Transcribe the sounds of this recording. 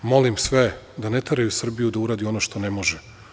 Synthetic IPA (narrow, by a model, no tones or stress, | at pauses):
mo̞limsʋe | d̪anet̪eɾajusr̩bijud̪auɾaːd̪io̞noʃt̪o̞nemoʒe